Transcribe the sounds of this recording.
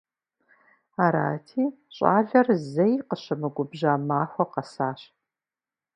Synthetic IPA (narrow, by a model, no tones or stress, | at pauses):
aːɾa̰ːtʰiː | ɕʼa̰ːɮɐrzɐjqəɕɐmɨɡʷʊbʑaːmaːxʷɔqɐsaːɕ